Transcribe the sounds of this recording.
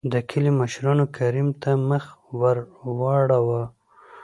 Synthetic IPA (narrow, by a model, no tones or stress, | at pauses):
d̪əkʰəlimaʃɾɑnokʰaɾimt̪aməxwaɾwɑɽawa